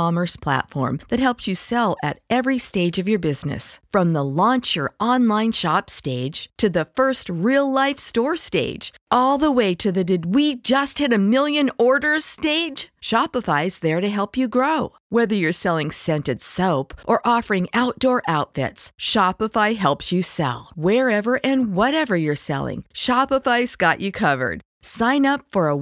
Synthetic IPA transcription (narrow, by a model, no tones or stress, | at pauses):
ɑmə˞spʰl̥æ̰tfɔ̰ɹmðɨt̚ɦɛlˠpsjɨsɛlˠɨ̰ɾɛvɹisteɪd͡ʒʌvjə˞bɪznɨ̰sfɹʌ̃mðəlɔ̃nt͡ʃə˞ɑ̃nlãɪ̃nʃɑpsteɪd̥ʒ̥tʰɨðɨfɜ˞st̚ɹilˠlaɪfstɔɹsteɪd̥d͡ʒ̥ | ɔlˠðəweɪɾɨðɨdɨd̚wid͡ʒʌst̚hɨɾɨmɪlˠjɨ̃nɔɹɾə˞steɪd̥ʒ̥ʃɑpəfaɪzðə˞ɾɨɦɛlˠpjɨɡɹoʊ | wɛðə˞jə˞sɛlˠɪ̃ŋsɛ̃ntɨd̥soʊpʔə˞ʔɔfə˞ɪ̃ŋaʊt̚d̥ɔɹʔaʊtfɪ̰tsʃɑpəfaɪɦɛlˠpsɨsɛ̰lˠwə˞ɛvə˞ʔɨ̃nwʌɾɛvə˞jə˞sɛ̰lˠɪ̰̃ŋʃɑpəfaɪz̥ɡ̥ɑ̰t͡ʃɨkʰʌvə̰˞d̥ | sãɪ̃nʌpfə˞ə